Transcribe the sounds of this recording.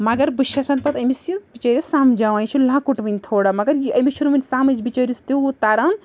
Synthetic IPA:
mɐɡɐɾbɨʃasɐnpɐt̪ɐmisibit͡ʃɐɾisamd͡ʒawãjt͡ʃʰulãkuʈʋɐnʲt̪ʰoɽamɐɡɐɾiɐmit͡ʃʰunmɐnʲsamit͡ʃbit͡ʃɐɾist̪iut̪aɾɐn

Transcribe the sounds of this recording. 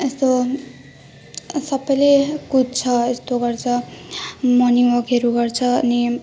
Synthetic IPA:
est̪o | sʌbʌjlekud̚t͡sʰʌest̪oɡʌrt͡sʰʌ | mʌniwʌkeɾuɡʌrt͡sʰʌʌ̰ni

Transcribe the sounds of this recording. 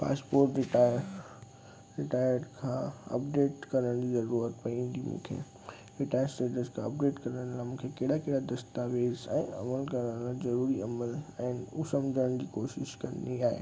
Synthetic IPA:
pa̰ːspoːɾʈɾɪʈaː | ɾɪʈaːjəɾɾkʰãːɐ̰pɖeːʈkɐɾəɽ̃d͡ʑizɐɾuɾət̪̚pɐĩnɡ̪imṵ̃ːkʰḛ | ʋɪʈaːjəɾsʈeːʈəskʰãɐp̚ɖeːʈkɐɾəɽ̃laːmũːkʰekeːɽakeːɽad̪ɐst̪aːʋeːzɛ̰̃ːɐ̰məlkɐɾəɽ̃lazɐɾuːɾiɐməlɛ̃ːnusɐmd͡ʑʱəəɽ̃d͡ʑiːkoːʃɪʃkɐ̰niaːɦḛː

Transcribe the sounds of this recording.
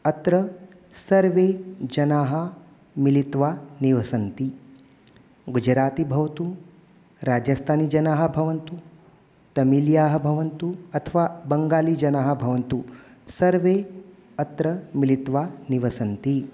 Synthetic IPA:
ɐt̪ɾɐ | sɐɾʋeːd͡ʒɐnaːɦɐ̆ | milit̪ʋaːniʋɐsɐnt̪i | ɡud͡ʒɾaːt̪ibʱɐʋɐt̪u | ɾaːd͡ʒɐst̪ʰaːniːd͡ʒɐnaːɦɐ̆bʱɐʋɐnt̪u | t̪ɐmiljaːɦɐ̆bʱɐʋɐnt̪uɐt̪ʰɐʋaːbɐŋɡaːliːd͡ʒɐnaːɦɐ̆bʱɐʋɐnt̪usɐɾʋe | ɐt̪ɾɐmilit̪ʋaːniʋɐsɐnt̪i

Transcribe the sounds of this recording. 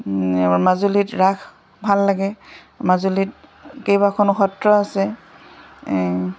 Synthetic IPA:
mazulitɹakʰ | bʱalːaɡɛ | mazulit̚kejbakʰɔnʊxɔtɹɔasɛ

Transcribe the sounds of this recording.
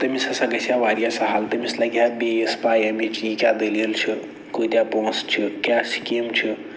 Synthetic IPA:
t̪əmisə̃səɡəsjaʋaɾijasə̃ɦalt̪əmisləɡjabeespajemit͡ʃikad̪eljelt͡ʃʰi | koit̪japõst͡ʃʰikjasi̥kimt͡ʃʰi

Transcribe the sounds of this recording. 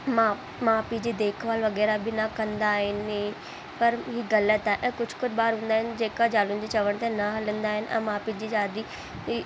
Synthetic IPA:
maː | maːpid͡ʑiːd̪eːkʰʋaːlʋɐɣɛːɾabʱɪnɐkɐ̃nd̪aːɦɪnɪ | pɐɾɦiɣɐlət̪aːɦɪ̃ʔɛ̃ːkʊd͡ʑ̥ʱkʊd͡ʑbaːɾɦũːnd̪aːɦɪnd͡ʑeːkad͡ʑaːlʊnd͡ʑeːt͡ɕɐʋəɽ̃t̪anɐɦɐlə̃nd̪aːɦɪnɪ̆ʔɛ̰̃ːmaːpid͡ʑiːd͡ʑaːd̪i

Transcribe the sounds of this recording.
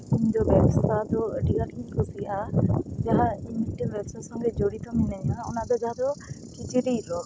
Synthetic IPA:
uɲd͡ʒɔbɛbɔst̪ad̪ɔɖiɡakiɲkʰɔsiad͡ʒaɦaimiʈibɛɔst̪asɔ̃ŋɡed͡ʒoɽit̪ɔminaɲaɔnad̪ɔd͡ʒaɦad̪ɔkit͡ʃiɾiɾɔl

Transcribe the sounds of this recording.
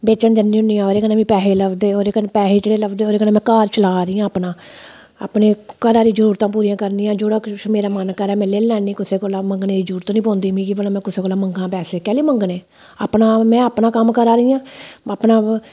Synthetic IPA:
beːt͡ʃənd͡ʒ̪ənːiːʊnijãːoːɾeːkəneːʋĩːpɛːɦeːləʋd̪eːoːɾeːkənːpɛːseːd͡ʒeːɽeːləbd̪eːoːɾeːkənẽːmɛ̃ːkaːɾt͡ʃəlaːɾiːjãːəpnãː | a̰ːpɳeːkəɾaːɾiːd͡ʒəɾuːɾt̪ãːp̬uːɾiːãːkəɾniːãːd͡ʒʊɽaːkmeːɾaːmənkəɾɛːmɛ̃ːleːllɛːniːkʊseːkoːlaːməŋɡneːd̪iːd͡ʒəɾuːɾt̪ːnĩːpɔ̃ːnd̪iːmĩːkipənãːmɛ̃ːkʊseːkoːlaːməŋɡãːpɛːseːkɛːliːməŋɡneː | aːpnãːmɛ̃ːəːpɳãːkəmkəɾaːɾiːjãːaːpnãː

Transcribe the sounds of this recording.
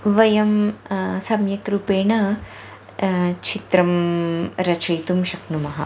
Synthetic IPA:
ʋɐjɐmsɐmjɐkɾupeːɳɐ | t͡ʃʰit̪ɾɐmɾɐt͡ʃʰɐjt̪umʃɐknumɐɦɐ̰

